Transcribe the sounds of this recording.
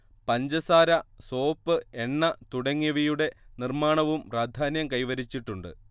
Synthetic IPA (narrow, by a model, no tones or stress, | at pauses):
pɐɲd͡ʑɐsaːɾɐso̞ːpːɨeɳːɐt̪uɽɐŋːɐʋijuɽe̞nirmaːɳɐʋumpraːd̪ʱaːnjɐmkɐjʋɐɾit͡ɕːiʈːuɳɖɨ̰